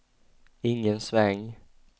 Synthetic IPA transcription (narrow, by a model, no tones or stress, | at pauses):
ɪŋːənsvɛŋ